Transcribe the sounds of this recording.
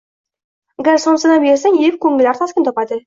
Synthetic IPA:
ɡʲaɾsonsənɑbeɾsɪŋep̚kʲʰɵŋɪlæɾt̪ʰɑskʲent̪opɑd̪ə

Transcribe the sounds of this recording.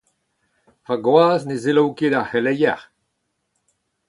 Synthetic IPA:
paɡwaːznezelowked̪ahelɛjɛ̰ʁ

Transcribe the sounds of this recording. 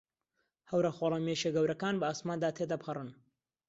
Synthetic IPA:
hɐwɾɐxoːlˠɐmeʃeɡɐwɾʔɐkaːnbɐaːsmaːnd̪aːt̪ʰed̪ɐphɐrɨn

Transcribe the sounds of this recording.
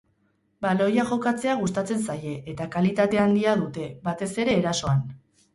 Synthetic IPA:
balo̞jaʝo̞kat͡se̞aɣ̞ust̪at͡se̞nsaje̞ʔet̪akalit̪at̪e̞and̪iaðut̪e̞βat̪e̞se̞ɾe̞ːɾaso̞an

